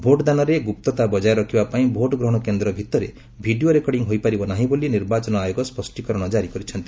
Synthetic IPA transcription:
bʱoʈɔd̪anɔɾeɡup̚t̪ɔt̪abɔd͡ʒajɾɔkʰibapaĩbʱoʈɔɡɾɔɦɔɽ̃ɔkend̪ɾɔbʱit̪ɔɾe | bʱiɖioɾekɔɽiŋɦojpaɾibɔnaɦĩboliniɾbat͡ʃɔnɔajoɡɔspɔsʈikɔɾɔɽ̃ɔd͡ʒaɾikɔɾit͡ʃʰɔnt̪i̥

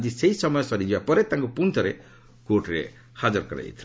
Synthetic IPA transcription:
d͡ʒiseisɔmɔjɔsɔɾid͡ʒibapɔɾet̪ãŋkupunt̪ʰɔɾe | koʈɾḛ | had͡ʒɔɾkɔɾa̰ḛt̪ʰi

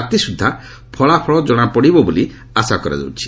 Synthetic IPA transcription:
t̪isud̪ʱːa | pʰɔɭapʰɔɭɔd͡ʒɔɽ̃apɔɽibɔboli | asakɔɾa̰d͡ʒɔ̰wt͡ʃʰi̥

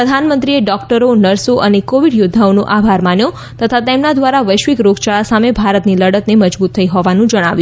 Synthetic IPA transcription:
ɾəd̪ʱanmənt̪ɾieɖɔkʈəɾonəɾsoʔənekoʋiɽjod̪ʱːaonoʔabʱaɾmanjo | t̪ət̪ʰat̪emnad̪ʋaɾaʋəjʃʋikɾoɡt͡ʃaɭasamebʱaɾət̪niləɽət̪neməd͡ʒbut̪ʰːəiɦɔʋanũd͡ʒəɽ̃aʋjũ

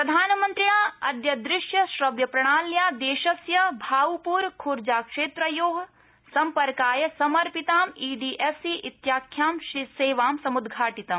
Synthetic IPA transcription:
pɾɐd̪ʱaːnɐmɐnt̪ɾiɳaːɐd̪jɐd̪ɾɪʃjɐʃɾɐʋjɐpɾɐɽ̃aːljaːd̪eːʃɐsjɐbʱaːʋupuːɾkʰuɾd͡ʒaːkʂeːt̪ɾɐjoːɦ | sɐmpɐɾkaːjɐsɐmɐɾpit̪aːmiːɖiːʔesiʔit̪jaːkʰjaːmʃseːʋaːmsɐmud̪ɡʱaːʈit̪ɐm

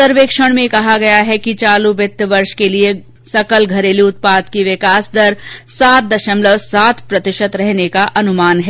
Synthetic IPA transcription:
əɾʋeːkʃəɽ̃mẽkɐɦaɡɐjaɦɛkit͡ʃaːlubɪt̪ːʋɐɾʃkelie | sɐkəlɡʱɐɾeːliʊt̪̚paːd̪kiʋɪkaːsd̪ɐɾsaːt̪̚d̪ɐʃəmləʋsaːt̪ʰpɾɐt̪ɪʃət̪ɾɛɦnekaʔɐnʊmaːnɦɛː

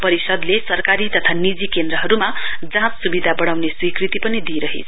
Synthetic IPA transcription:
pʌɾisʌd̪lesʌrkaɾit̪ʌt̪ʰanid͡zikend̪ɾʌɦʌɾumad͡zãt͡ssubid̪ʱabʌɽ̃awneswikrit̪ipʌnid̪iɾʌɦḛt͡sʰ

